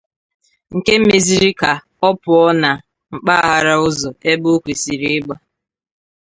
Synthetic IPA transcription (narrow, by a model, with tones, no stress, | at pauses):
ŋ̩˨ke˦m̩˦me˨zi˦ɾi˦ka˨ | ɔ˦pʊ˨ɔ˦na˨ | ŋ͡m̩˨k͡pa˦a˦ɦa˨ɾa˦ʊ˦zɔ˨e˦bʊ˦kʷe˨si˨ɾi˦ɪ˦ɡ͡ba˦